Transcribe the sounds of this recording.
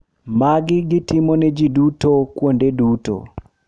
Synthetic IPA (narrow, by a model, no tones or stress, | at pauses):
maɡɪɡɪtɪmɔnɛd͡ʒidutokwondeduto̰